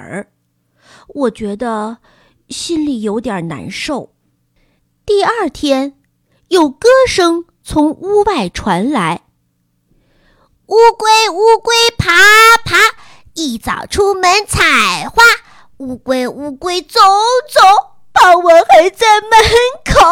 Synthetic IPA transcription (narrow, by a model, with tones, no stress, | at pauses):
wɔ˨˩t͡ɕɥɛ˧˥d̪ə˧ | ɕi˥nli˨˩jo˧˥ʊt̪jə˞˨˩na̰˧˥nʂo˥˩ʊ | t̪i˥˧ə˞˥˩t̪ʰjɛ˥n | jo˥˩ʊkɤ˥ʂɤ˥ŋ | t͡sʰʊ˧˥ŋu˥wa˥˩ɪʈ͡ʂʰwa˧˥nla˧˥ɪ | u˥kwe˥ɪu˥kwe˥ɪpʰa˧˥pʰa˧˥ | i˨˩t͡sɑ̰˨˩ʊʈ͡ʂʰu˥mə˧˥nt͡sʰa˨˩ɪxwa˥˩ | u˥kwe˥ɪu˥kwe˥ɪt͡so˧˥ŋt͡sʊ˨˧˦ʊ | pɑ˥˧˩ŋwɔ˧˥˦xə˧˥nt͡sa˥˩ɪmə˧˥nkʰo˨˩˦